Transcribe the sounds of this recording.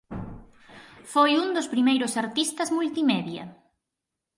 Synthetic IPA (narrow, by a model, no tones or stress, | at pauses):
fojund̪ospɾimejɾʊsaɾt̪ist̪ɐzmult̪imɛðjɐ̰